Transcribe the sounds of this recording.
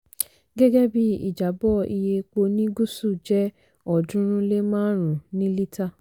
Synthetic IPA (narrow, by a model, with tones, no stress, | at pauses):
ɡɛ˦ɡɛ˦bi˧˦ḭ˦˨d͡ʒa˨˦bɔ˦˨i˧je˧k͡po˧nĩ˦ɡu˦su˦˨d͡ʒɛ˦ | ɔ˨dũ˦ɾ̃ũ˦le˦mãː˦ɾ̃ũ˨nĩ˦li˦ta˦˨